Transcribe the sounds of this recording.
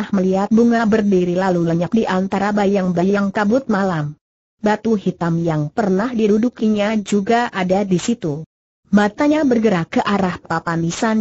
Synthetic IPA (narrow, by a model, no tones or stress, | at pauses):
hməliɦat̪̚buŋabərdiɾilaluləɲak̚diʔant̪aɾabajaŋbajaŋkabʊt̪̚malam | bat̪uɦit̪amjaŋpərnahdidudukiɲad͡ʒuɡaʔadadisit̪u | mat̪aɲabərɡəɾakəʔaɾahpapanisan